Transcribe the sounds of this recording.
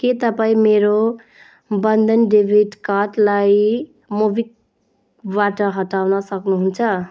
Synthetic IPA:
ket̪əpaĩmeɾo | bənd̪ʱənɖebʱiʈkaʈlai | mubik̚ | baʈəɦət̪awnʌsʌknuɦunt͡ʃʰʌ

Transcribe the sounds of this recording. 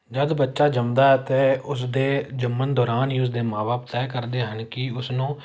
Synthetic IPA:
d͡ʒəd̪bətːʃaːd͡ʒəmd̪aːɛːt̪eːʊsd̪eːd͡ʒəmːənd̪ɔːɾaːniːʊs̬d̪eːmãːbaːp̚t̪ɛːkəɾd̪eːɦənkɪʊsnũː

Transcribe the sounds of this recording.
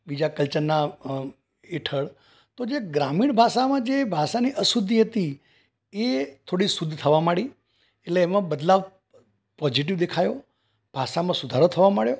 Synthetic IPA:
bid͡ʒakəlt͡ʃənːa | eʈʰəɭ | t̪od͡ʒeɡɾamiɽbʱaʃamãd͡ʒebʱaʃaniʔəsud̪ʱːiɦət̪i | et̪ʰoɽisud̪ʱːt̪ʰəʋamaɽi | eʈleːmãbəd̪laʋ | pɔd͡ʒiʈ̬iʋd̪ekʰajo | b̥ʱaʃamãsud̪ʱaɾot̪ʰəʋamaɭjo

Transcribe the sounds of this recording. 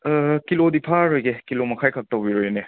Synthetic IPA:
kilodipʰaɾojɡekilomɐkʰajkʰak̚tɐwbiɾojne

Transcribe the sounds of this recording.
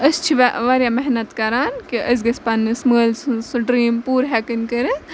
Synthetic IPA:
ɐst͡ʃʰiʋʋaɾjamɐɦnɐt̪kɐɾaːnkiʔɐs̬ɡɐspɐnːɨsməːlssuɖɾiːmpuːɾɦɛkɐnkɐɾe

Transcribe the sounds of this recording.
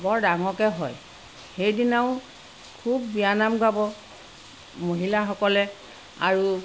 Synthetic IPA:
bɔɹdaŋɔkɛɦɔj | xejdinaʊ̃ | kʰubːijanamɡabɔ | moɦilaxɔkɔlɛ | a̰ɹu

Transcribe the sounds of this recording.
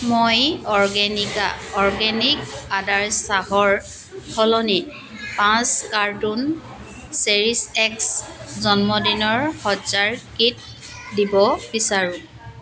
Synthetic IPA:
mojɔɹɡɛnikaɔɹɡɛnikadaɹsaɦɔɹ | hʰɔlɔni | pãskaɹdun | seɹisɛkszɔnmɔdinɔɹhɔzaɹkit̚ | dibɔbisaɹũ

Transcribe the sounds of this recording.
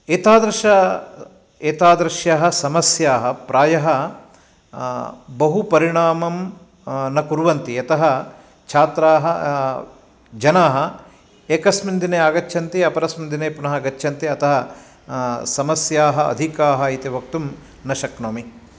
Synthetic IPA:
eːt̪aːd̪ɾɐʃɐ | eːt̪aːd̪ɾɐʃjaːɦɐ̆sɐmɐsjaːɦɐpɾaːjɐɦɐ | bɐɦupɐɾiɳaːmɐm | nɐkuɾʋɐnt̪iɐt̪ɐɦɐ | t͡ʃʰaːt̪ɾaːɦɐ | d͡ʒɐnaːɦɐ | eːkɐsmind̪ineːaːɡɐt͡ʃːʃʰɐnt̪iɐpɐɾɐsmind̪ineːpunɐɦɐɡɐt͡ʃːʃʰɐnt̪iɐt̪ɐɦɐ | sɐmɐsjaːɦɐɐ̰d̪ʱikaːɦɐit̪iʋɐk̚t̪um | nɐʃɐknoːmi

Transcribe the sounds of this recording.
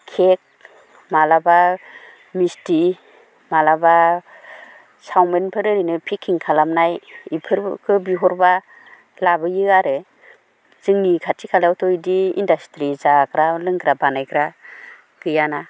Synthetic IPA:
kʰek̚ | malaba | misti | malaba | sawmenpʰɯɾɯɾinɯpʰikʰːiŋkʰalamnajipʰɯɾkʰɯbiɦɔɾba | labɯjɯaɾɯ | z̥ɯŋnikʰatikʰalawtʰɔjdiindastɾizakɾalɯŋɡɾabanajkɾa | ɡ̥ɯjana

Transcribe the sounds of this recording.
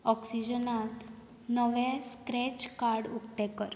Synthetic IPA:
ɔksid͡ʑənat̪ | nəʋɛ̃skɾɛt͡ɕkaɾɽukʈ̪ɛkəɾ

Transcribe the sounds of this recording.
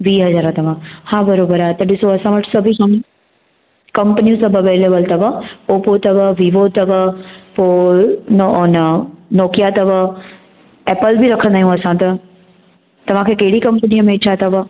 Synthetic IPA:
ʋiːɦɐzaːɾat̪ɐʋ̤ãhabɐɾoːbəɾaːt̪ɐɗɪsoɐsãʋɐʈsɐbʱikɐm | kɐ̃mpənijũsɐbʱɐʋeːleːbəlt̪ɐʋəpoːpot̪ɐʋəʋiːʋot̪ɐʋəpoːnonɐnɔːkijat̪ɐʋə | eːpəlbiɾɐkʰə̃nd̪aːɦjũɐsãt̪ɐ | t̪ɐʋ̤ãkʰeːkɐɦɪɽikɐ̃mpənijəmẽɪt͡ɕʰat̪ɐʋə

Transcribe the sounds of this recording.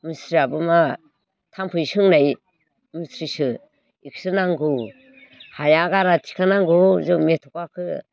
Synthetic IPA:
misɾiabɯma | tʰampʰɯjsɯŋnaj | misɾisɯ | iksɯnaŋɡɯw | hajaɡaɾatʰi̥kʰanaŋɡɯzɯmetʰɔkakʰɯ

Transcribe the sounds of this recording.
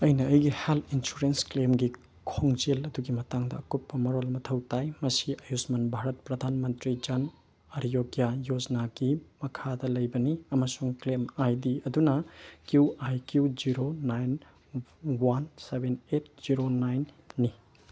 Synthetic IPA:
ɐjnɐɐjɡiheltʰinsuɾensklemɡi | kʰoŋd͡ʒelɐduɡimɐtaŋdɐɐkupːɐmɐɾolmɐtʰɐwtajmɐsiʔɐjusmɐnbʱaɾɐt̚pɾɐd̪ʱanmɐntɾid͡ʒɐn | ɐɾijoɡjajod͡ʒnaɡimɐkʰadɐlɐjbɐniɐmɐsuŋklemajdiɐdunɐkjuwajkjud͡ʒiɾonajn | wansebenet̚ʰz̥iɾonajnː | i

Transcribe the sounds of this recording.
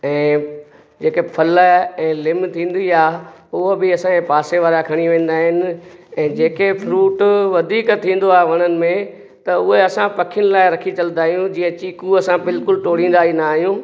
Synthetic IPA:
ɛ̃ː | d͡ʑeːkepʰɐlɛ̃ːlɪmt̪ʰĩːn̆d̪iaːʊɦəbɪɐsãẽpaːseʋaːɾakʰɐɽ̃iʋẽːn̆d̪aːɦɪnɪ̆ɛ̃ːd͡ʑeːkepʰɾuːʈʋɐd̪ʱiːkt̪ʰĩːn̆d̪oaːɦeʋɐɽ̃ənɪ̆mẽ | t̪ɐʊɦeɐsãpɐkʰɪjʊnɪ̆laːɪɾɐkʰit͡ɕɐlnd̪aːɦijũd͡ʑĩːə̃t͡ɕiːkuɐsãbɪlkʊlʈoːɽ̤ĩːn̆d̪aːɦinaːɦijũː

